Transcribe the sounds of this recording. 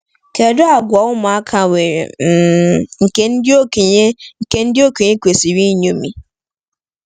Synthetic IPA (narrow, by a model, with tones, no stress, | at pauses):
kʰɛ˨dʊ˦a˨ɡʊ˨a˨wʊ˦mã˨a˦kʰã˨we˨ɾ̰̩˨ | ŋ̩˨ke˦n̩˦dɪ˦o˦kʰe˨ɲe˦ŋ̩˨ke˦n̩˦dɪ˦o˦kʰe˨ɲẽ˦kʷe˨si˨wi˦ɲõ˦mḭ̃˨